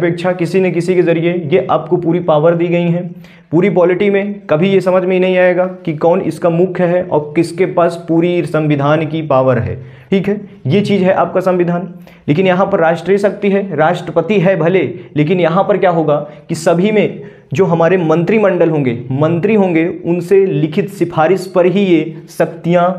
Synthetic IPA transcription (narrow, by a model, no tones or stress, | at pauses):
ɐpeːkʃʰakɪsinek̬ɪsikezɐɾiejeʔaːp̚kopuːɾipaːʋəɾd̪iːɡɐiɦɛ̃ | puːɾipɔːlɪʈimẽkɐbʱijesɐməd͡ʒʱmẽinɐɦĩaːeːɡaːkikɔːnɪ̰skamʊkʰɦɦɛʔɔ̰ːɾkɪskepaːspuːɾisɐ̃mʋɪd̪ʱaːnkipaːʋəɾɦɛ̰ː | ʈʰiːkɦɛː | jet͡ʃiːzɦɛʔaːp̚kasɐ̃mʋɪd̪ʱaːn | leːk̬ɪnjɐɦãpɐɾːaːʃʈɾisɐk̚t̪iɦɛɾaːʃʈɾəpət̪iɦɛbʱɐleleːk̬ɪnjɐɦãpɐɾkjaːɦoːɡaːkisɐbʱimẽ | d͡ʒoːɦɐmaːɾemɐ̃nt̪ɾimɐ̃ɳɖəlɦõːŋɡemɐ̃nt̪ɾiɦõːŋɡeʊnselɪkʰɪt̪sɪpʰaːɾɪspɐɾɦijesɐkt̪ijã